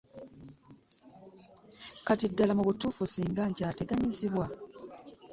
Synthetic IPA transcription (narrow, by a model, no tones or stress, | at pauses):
katidːalamuβutuːfusiːŋɡaɲcaːte̞ɡaɲiziβwa